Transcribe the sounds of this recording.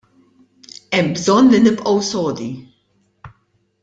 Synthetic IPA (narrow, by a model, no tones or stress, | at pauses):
ɛmːbzɔnlinɪpʔɐwsɔːd̪i